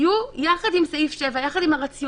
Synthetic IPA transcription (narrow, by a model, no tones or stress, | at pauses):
jujaχadimsaifʃe̞vajaχadimaʁat͡si